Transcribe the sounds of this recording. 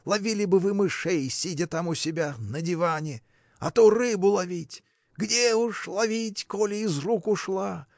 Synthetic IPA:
lˠɐvʲilʲɪbɨvɨmɨʂejsʲidʲət̪amʊsʲɪbʲanədʲɪvanʲɪ | ɐ̰t̪orɨbʊlˠɐvʲitʲ | ɡdʲeʊʂlˠɐvʲitʲkolʲɪɪzrukʊʂlˠa

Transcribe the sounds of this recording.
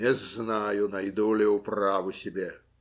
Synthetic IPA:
ɛznajʊnajd̪ulʲɛwpravʊsʲɛbʲɛ

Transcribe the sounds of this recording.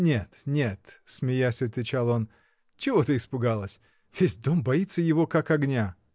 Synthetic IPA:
nʲet̪nʲe̞t̪smʲɪjasʲəvt̪vʲɪt͡ɕalˠo̞n | t͡ɕɪvo̞t̪əɪspʊɡalˠəsʲ | vʲesʲd̪o̞mbɐit̪səjɪvo̞kakɐɡnʲa

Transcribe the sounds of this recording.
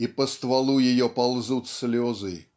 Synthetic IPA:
ipəst̪valˠujɪjɔpalˠzut̪sʲlʲɔzɨ

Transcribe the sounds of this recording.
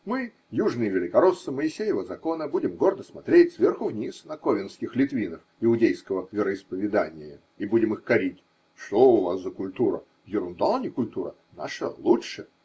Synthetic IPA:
mɨ | juʐnɨjəvʲɪlʲɪkɐɾosːəməɪsʲejɪvəzɐko̞nəbudʲɪmɡo̞rd̪əsmɐt̪ɾʲetʲsvʲerxʊvnʲisnɐkovʲɪnskʲɪxlʲɪt̪vʲinəfɪʊdʲejskəvəvʲɪɾəɪspəvʲɪd̪anʲɪjə | ibudʲɪmɨxkɐɾʲitʲ | ʂt̪oʊvasːəkʊlʲt̪uɾə̰ | vjɪɾʊnd̪alˠnʲɪkʊlʲt̪uɾə̰ | na̰ʂəlˠuʂə

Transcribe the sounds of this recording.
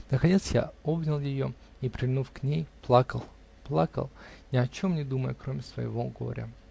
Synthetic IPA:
nəkɐnʲe̞t̪sja̰o̞bnʲɪlˠjɪjo | ipɾʲɪvʲnufknʲejplˠakəlˠ | plˠakə̰lˠnʲɪɐt͡ɕo̞mnʲɪd̪uməjʊkɾomʲɪsvə̰jɪ̰vo̞ɡo̰ɾʲə̰

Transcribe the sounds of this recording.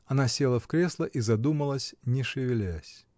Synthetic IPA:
ɐnasʲelˠəfkɾʲeslˠəʔizɐd̪uməlˠəsʲnʲɪʂɨvʲɪlʲæsʲ

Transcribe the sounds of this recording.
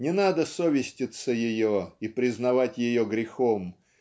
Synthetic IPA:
nʲɪnad̪əsovʲɪsʲtʲɪt̪səjɪjoipɾʲɪznɐvatʲjɪjoɡɾʲɪxom

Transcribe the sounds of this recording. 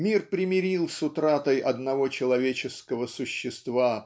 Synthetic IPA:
mʲirpɾʲɪmʲɪɾʲilˠsʊt̪ɾat̪əjʔɐd̪nɐvo̞t͡ɕɪlˠɐvʲet͡ɕɪskəvəsʊɕːɪst̪va

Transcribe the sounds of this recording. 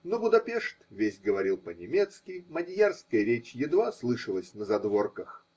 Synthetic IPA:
nobʊd̪ɐpʲeʂt̪vʲesʲɡəvɐɾʲilˠpənʲɪmʲet̪skʲɪjmɐdʲɪjarskəjəɾʲet͡ɕjɪd̪vaslˠɨʂəlˠəsʲnəzɐd̪vo̞rkəx

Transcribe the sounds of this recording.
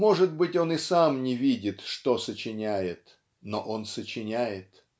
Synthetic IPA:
mo̞ʐɨd̪̚bɨtʲo̞nɨsamnʲɪvʲidʲɪt̪ʂt̪osət͡ɕɪnʲæjɪt̪ | noʔo̞nsət͡ɕɪnʲæjɪt̪

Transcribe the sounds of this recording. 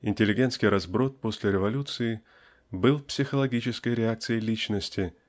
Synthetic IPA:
ɪnʲtʲɪlʲɪɡʲe̞nt̪skʲɪjɾɐzbɾo̞t̪̚po̞sʲlʲɪɾʲɪvɐlʲut̪sɨɪ | bɨlˠpsʲɪxəlˠɐɡʲit͡ɕɪskəjɾʲɪak̚t̪sɨjəlʲit͡ɕnəsʲtʲɪ

